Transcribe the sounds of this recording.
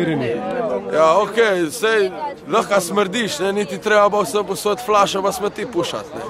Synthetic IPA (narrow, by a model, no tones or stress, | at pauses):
ɾinijaokesej | lɐχkasmɛɾd̪iʃnɛnit̪it̪ɾeabawsəposot̪flaʃɐvasmɛt̪ipuʃa̰t̪nɛ̰